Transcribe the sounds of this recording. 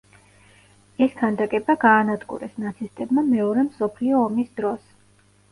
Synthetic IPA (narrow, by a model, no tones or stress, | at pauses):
ɛskʰand̪akʼɛbaɡaːnad̪ɡṵɾɛsnat̪sʰist̪ʼɛbmamɛɔɾɛmsɔpʰliɔːmisd̪ɾɔs